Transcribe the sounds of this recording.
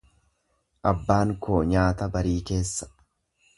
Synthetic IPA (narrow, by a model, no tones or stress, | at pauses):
ʔɐbːaːŋko̞ːɲaːt̪ɐbɐɾiːke̞ːsːɐ̥